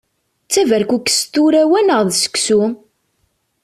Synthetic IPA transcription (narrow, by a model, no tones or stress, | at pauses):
t͡sːævæɾkukːst̪ːuɾæwænəʁðsə̥kːsu